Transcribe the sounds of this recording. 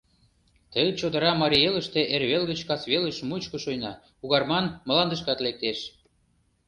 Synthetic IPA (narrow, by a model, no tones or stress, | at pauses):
t̪əjt͡ɕod̪ə̆ɾɑmɑɾʲielə̆ʃt̪ĕʔerβelɣət͡ɕkɑsβelə̆ʃmut͡ɕkɤ̆ʃojnɑ | uɣɑrmɑnmə̆lɑnd̪əʃ̬kɑt̪lek̚t̪eʃ